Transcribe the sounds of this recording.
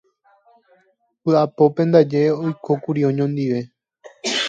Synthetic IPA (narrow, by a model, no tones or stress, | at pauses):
pɨapo̞pẽ̞nd̪ad͡ʒe̞o̞jkʰo̞kuɾiõɲõnd̪iʋe̞